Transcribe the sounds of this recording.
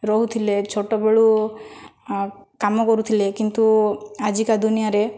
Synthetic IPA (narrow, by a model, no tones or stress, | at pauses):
ɾɔɦut̪ʰilet͡ʃʰoʈobeɭu | kamɔkɔɾut̪ʰilekint̪uad͡ʒikad̪unijaɾe